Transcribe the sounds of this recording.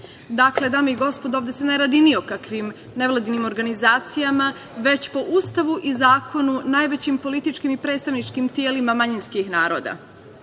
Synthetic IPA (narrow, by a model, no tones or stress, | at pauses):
d̪akle̞d̪aːmeiɡo̞spo̞d̪oːʋd̪eseneɾad̪inio̞kakʋim | ne̞ʋlˠad̪inimo̞ɾɡanizaːt̪sijama | ʋe̞t͡ɕpo̞ʔust̪aʋuʔizaːko̞nunaːjʋet͡ɕimpo̞lit̪it͡ʃkimipɾet̪st̪aʋnit͡ʃkimt̪jeːlimamaɲinskixnaːɾo̞ːd̪a̰